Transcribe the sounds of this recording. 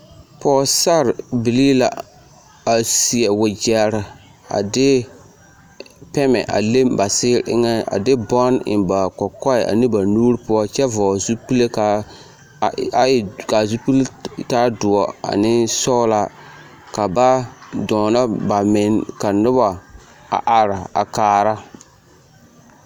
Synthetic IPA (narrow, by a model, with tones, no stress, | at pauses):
pɔː˨˦sa˦ɾbi˨li˦la˨ | a˨si˨ɛ˨wʊ˨d͡ʒɛ˨ɾɪ˨ | a̰˨dɪ˦ | pɛ˦mɛ̰˨ʔa̰˨le˦mba˨sɪ˦ɾʔɪ̰˦ŋɛ˦a̰˨dɪ˦bɔ˦nɪ̰˨nba˨kɔ˨kɔ˦ɪ˨a̰˨nɪ˦ba˨nuː˦ɾpʊ˦ɔ˦t͡ʃɛ˦vɔː˨zu˦pi˦le˦ka˨ | ka˨zu˦pi˦ltaː˦dʊ˨ɔ˨a̰˨nɪ˦sɔ˦la˦ | ka˨ba˦dɔː˨na˦ba˨mɪ˨nka˨nʊ˦ba˨ | a̰˨ʔa˨ɾa˨a̰˨kaː˨˦ɾa˦